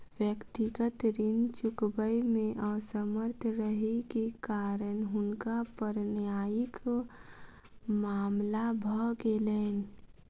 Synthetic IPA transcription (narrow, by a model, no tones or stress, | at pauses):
ʋjəkt̪ɪɡət̪ɾɪnt͡ʃʊkbəimẽʔəsəməɾt̪ʰɾəɦekekaːɾənɦʊnkapəɾnjaːjɪk | maːmlabʱɔkeleːn